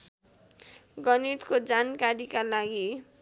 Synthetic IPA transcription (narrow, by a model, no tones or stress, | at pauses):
ɡʌnit̪kod͡zankaɾikalaɡi